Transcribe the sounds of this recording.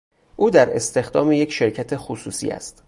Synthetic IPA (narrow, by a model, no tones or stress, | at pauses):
ʔuːd̪æɾe̞st̪e̞xd̪ɒ̰ːmeje̞cʃe̞ɾcʰæt̪ʰe̞xosuːsḭːæ̰st̪